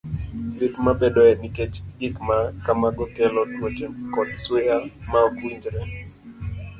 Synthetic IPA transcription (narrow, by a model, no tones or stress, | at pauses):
likmabɛdɔɛnikɛt͡ʃikmakamaɡɔkɛlɔtwot͡ʃɛkɔdswejamaɔkwiɲd͡ʒɾɛ